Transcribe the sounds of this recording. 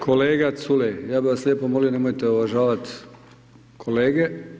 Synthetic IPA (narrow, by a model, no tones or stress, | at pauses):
kʰo̞leːɡat̪sulejaːbiʋaslʲjeːpomolijone̞mojt̪eoʋaʒaːʋat̪ | kʰoleːɡe